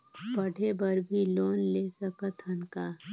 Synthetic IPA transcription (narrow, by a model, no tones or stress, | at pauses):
bɐɽ̤ʱebɐɾbʱiloːnleːsəkət̪ʰɐnkaː